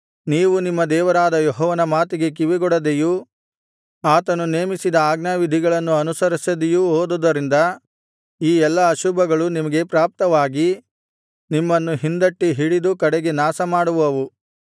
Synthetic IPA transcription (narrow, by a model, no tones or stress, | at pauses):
niːʋunimːɐd̪ɛːʋɐɾaːd̪ɐjɔɦɔːʋɐnɐmaːt̪iɡe̞k̬iʋiɡɔɽɐd̪eju | aːt̪ɐnuneːmisid̪ɐaːɡnaʋid̪ʱiɡɐɭɐnːuɐnusɐɾisɐd̪ejuɦoːd̪ud̪ɐɾind̪ɐ | iːɛlːɐːʃubɐɡɐɭunimɐɡe̞pɾaːp̚t̪ɐʋaːɡi | nimːɐnːuɦind̪ɐʈːiɦiɽid̪ukɐɽeɡe̞naːsɐmaːɽuʋɐʋu